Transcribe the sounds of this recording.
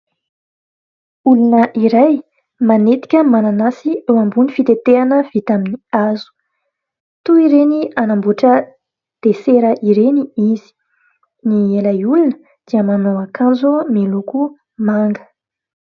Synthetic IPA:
ulunəʔiɾaj | manet̪i̥kʲəmananasiewambunifit̪et̪eanəv̥it̪aminiazu̥ | t̪uiɾenianambuʈ͡ʂə | d̪̥eseɾəʔiɾeniizi̥ | nielajulunə | d̪̥iəmanoakʰãnzomiluku | maŋɡə̥

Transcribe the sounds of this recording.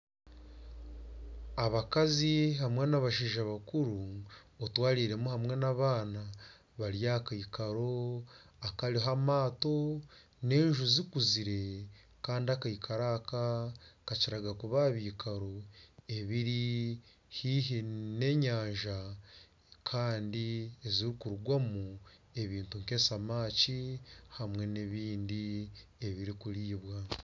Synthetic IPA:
aβakaziɦamwe̞naβaʃiːʒaβakuɾuotwaːɾiːɾe̞muhamŋe̞naβaːna | βaɾjakaikaɾo̞ | akaɾiɦamaːto̞ | ne̞ːɲʒuzikuziɾe̞ | kaːndiakaikʰaɾakakaciɾaɡakuβaβiːkaɾo̞e̞βiɾi | hiɦine̞ɲaːɲʒa | kʰaːndieziɾikuɾuɡwamue̞βiːntuŋke̞samaːcihamwe̞neβiːndie̞βiɾikuɾiːβwa

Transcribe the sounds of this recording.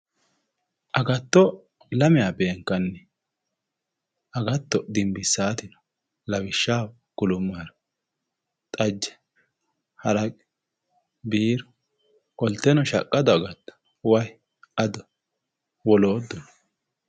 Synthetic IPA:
ʔɐɡɐt̪ːɔ | lɐmɪjaːbe̞ːŋkːɐnːɛ | ʔɐɡɐt̪ːɔd̪ɪmbɪsːaːt̪ɪnɔ̥ | lɐwɪʃːaː | ɡ̥ʊlʊmːaːɾɔ̥ | t̪ʼɐd͡ʒːɛ̥ | hɐɾɐkʼɛ | biːɾɔ̥ | kʼɔlt̪ːɛnɔʃɐ̰kʼːɐd̪ɔɐɡɐt̪ːɔ̥ | wɐj | ʔɐd̪ɔ | wɔlo̞ːd̪ːɔnɔ

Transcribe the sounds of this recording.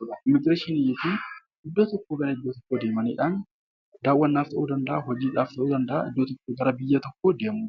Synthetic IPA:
ɪmːɪɡɾeːʃɪnɪjɪfi | ɪd̪ːoːt̪ɔkːoːɡɐɾɐhɪd̪ːoːt̪ɔkːoːd̪eːmɐnḭːᶑaːn | d̪aːwːɐnːaːft̪ɐʔuːd̪ɐnd̪ɐʔahɔd͡ʒiːᶑaːft̪ɐʔuːd̪ɐnd̪ɐʔa̰ɪd̪ːoːt̪ɔkːoːɡɐɾɐbɪjːɐt̪ɔkːo̞ːd̪e̞ːmuː

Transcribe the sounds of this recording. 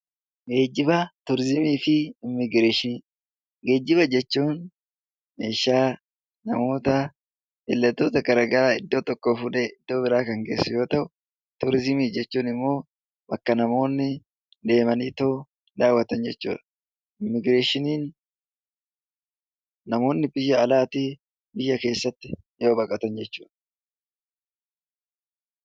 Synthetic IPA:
ɡe̞ːd͡ʒːɪbɐt̪ʊɾzɪmiːfɪɪmːɪɡɾeːʃɪniː | ɡe̞ːd͡ʒːɪβɐd͡ʒɛt͡ʃːuːn | meːʃaː | nɐmo̞ːt̪ɐ | ɪlːɐt̪ːo̞ːt̪ɐɡɐɾɐɡɐɾaːɪd̪ːo̞ːt̪ɔkːo̞ːfʊᶑɛɪd̪̥ːo̞ːbɪɾaːkɐŋɡe̞ːsːʊjo̞ːt̪ɐʔʊ | t̪ʊɾzɪmiːd͡ʒɛt͡ʃːuːnɪmːo̞ː | bɐkːɐnɐmo̞ːnːɪ | d̪e̞ːmɐniːt̪oʊ | d̪aːwːɐt̪ɐnd͡ʒɛt͡ʃːṵːᶑɐ | ɪmɪɡɾe̞ːʃɪniːn | ɐmo̞ːnːɪbɪjːɐːlaːt̪iː | bɪjːɐke̞ːsːɐt̪ːɪ | jo̞ːbɐkʼɐt̪ɐnd͡ʒɛt͡ʃːuːᶑ̥ɐ

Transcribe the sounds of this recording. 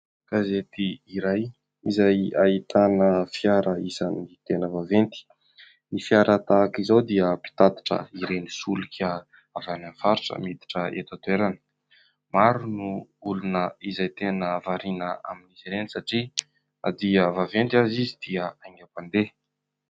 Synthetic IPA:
ɡ̥azet̪iiɾaj | izajait̪anəfjaɾəizanit̪enəvavent̪i̥ | nifiaɾʔat̪akizawd̪iəpi̥t̪at̪ḁʈ͡ʂə̰iɾenisulukʰʲə | avananfaɾiʈ͡ʂə̰mit̪i̥ʈ͡ʂəḛt̪at̪ueɾanə̥ | maɾunuulunəizajt̪enəvaɾinəa̰minizeɾensaʈ͡ʂi | a̰d̪iəvavent̪azizid̪̥iəaŋapand̪e

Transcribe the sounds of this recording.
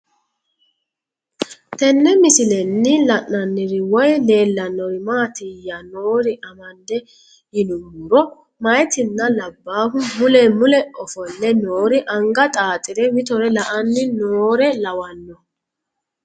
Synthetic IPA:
t̪ɛnːɛmɪsɪlɛnːɪlɐʔnɐnːɪɾɪwɔjle̞ːlːɐnːɔɾɪmaːt̪ɪjɐno̞ːɾɪʔɐmɐnd̪ɛ | jɪnʊmʊɾɔ | mɐjt̪ɪnːɐlɐbːaːɦʊmʊlɛmʊlɛʔɔfɔnːɛnoːɾɪʔɐŋɡɐt̪ʼaːt̪ʼɪɾɛwɪt̪ɔɾɛlɐʔɐnːɪnoːɾɛlɐwɐnːɔ

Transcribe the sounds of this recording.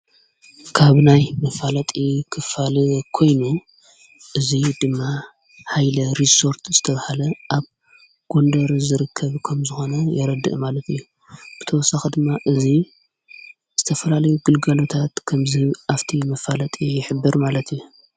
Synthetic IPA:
kʰaβnajmɐfalɐt̪ʼikʰɨfalkʰo̞jnu | ʔɨzid̪ɨmːa | hajlɐɾiso̞ɾt̪zɨt̪ʰɐβahalɐʔaβ | ɡ̥o̞nd̪ɐɾzɨɾɨkʰːɐβkʰɐmzɨxo̞nɐjɪɾɐd̪ɨ̰ʔmalɐt̪ʰɨjːu | b̥ɨt̪ʰɐwɔsːaxɐd̪ɨmːaʔɨzi | z̥ɨt̪ʰɐfɐlalɐjuɡɨlɡalo̞t̪ʰat̪kʰɐmziʔaft̪ʰimɐfalɐt̪ʼijɪħɨbːɨɾmalɐt̪ijːu

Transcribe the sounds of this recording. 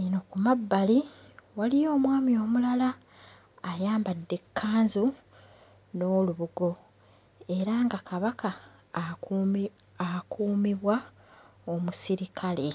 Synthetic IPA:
inokumabːali | walijo̞ːmwaːmio̞ːmulalaː | jaːmbadːe̞kʰːaːnzu | no̞ːluβuɡo̞ | e̞ɾaŋɡakʰaβakʰa | akuːmiβwa | omusiɾikʰale̞

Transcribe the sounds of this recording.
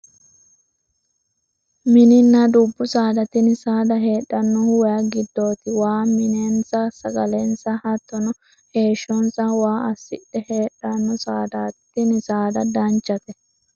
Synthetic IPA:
mɪnɪnːɐd̪ubːʊsaːd̪ɐt̪ɪnsaːd̪ɐɦe̞ːɗːɐnːɔhwɐjɐɡɪd̪ːo̞ːt̪ɪwaːmɪnensɐsɐɡɐlensɐhɐt̪ːɔnɔ | he̞ːʃɔnsɐwaːʔɐsːɪᶑɛheːɗːɐnːɔsaːd̪aːt̪ːɪnɪsaːd̪ɐd̪ɐnt͡ʃːɐt̪ɛ

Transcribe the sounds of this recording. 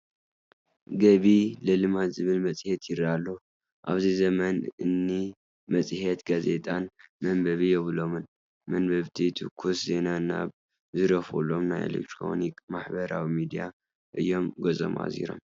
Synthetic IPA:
ɡɐβilɐlɨmat̪zɨβɨlmɐt͡sʼɨhet̪ʰjɪɾalːo | ʔa̰βzizɐmɐnɨnːi | mɐt͡sʼɨhet̪ɡaze̞t̪ʼanmɐmbɐβijɛβɨlo̞mɨn | mɐnbɐβt̪ʰit̪ʰukʰuszenana̰β | zɨɾɐfulo̞mnajʔḛlḛk̚t̪ʰɾo̞̰nikmaħbɐɾa̰wimid̪ija̰ | ʔɨjːo̞mɡɐzʼo̞̰mʔa̰zḭɾo̞̰m

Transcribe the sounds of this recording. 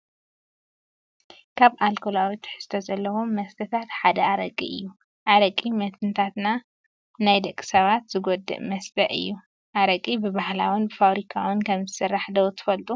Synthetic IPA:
kʰaβʔalkʰolawit̪ʰɨ̥ħɨ̥st̪ʰɐzɐlːɐwo̞ːɐst̪ʰɐt̪ʰat̪ħad̪ɐaɾɐkʼːḭɨjːu | ʔaɾɐkʼːimɐt̪ʰɨnt̪ʰat̪na | najd̪ɐkʼːi̥sɐβat̪z̥ɨɡod̪ɨ̰ʔmɐst̪ʰɐʔɨ̰jːu | ʔaɾɐkʼibɨbahlawʊnbɨfaβɾikʰawɨnkʰɐmzɨsɨrːaħd̪ɐwt̪ʰɨ̥fɐlt̪ʼu

